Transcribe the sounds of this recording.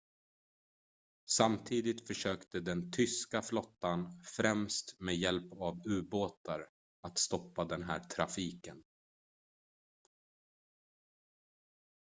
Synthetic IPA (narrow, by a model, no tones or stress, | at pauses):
samt̪ʰiːd̪ɪt̪fœʂøːkt̪əd̪ɛnt̪ʰʏskaflɔt̪ːanfɾɛmst̪meːjɛlpavʉ̟ːboːt̪aɾ | at̪st̪ɔpːad̪ɛnɦæːʈʰɾafiːkən